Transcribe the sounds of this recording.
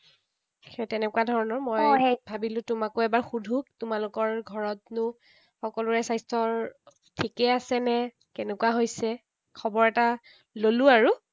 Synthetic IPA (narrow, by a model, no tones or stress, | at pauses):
xetɛnɛkuadʱɔɹɔnɔɹmɔjebʱabilʊ̃tʊmakʊɛbaɹxudʱuktʊmalʊkɔɹɡʱɔɹɔtnʊ | xɔkɔlʊɹɛsajstʰɔɹ | tʰikɛasɛnɛ | kɛnɛkuwaɦojsɛ | kʰɔbɔɹɛta | lolʊ̃aɹu